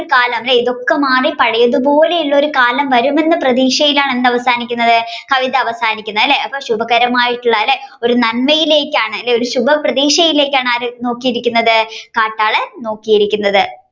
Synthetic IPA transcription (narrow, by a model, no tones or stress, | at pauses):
oɾukaːlɐmleiðo̞kːemaːripɐɽɐjɐðubo̞ːle̞iɭːɐo̞ɾukaːlɐmʋɐɾume̞nːɨprɐðiːʂɐjilaːɳe̞nːɐʋɐsaːnikʲːunːɐðɨkɐʋid̪ɐɐʋɐsaːnikʲːunːɐlːe̞ɐpːɐːɕubɐkɐɾɐmaːjiʈːuɭːɐlːeo̞ɾunɐnmɐjile̞ːkʲːaːɳɨɐlːeoɾuɕubɐprɐðiːʂɐjile̞ːkʲːaːɳaːɾno̞ːkːijiɾikʲːunːɐðɨkaːʈːaːɭɨno̞ːkːijiɾikʲːunːɐðɨ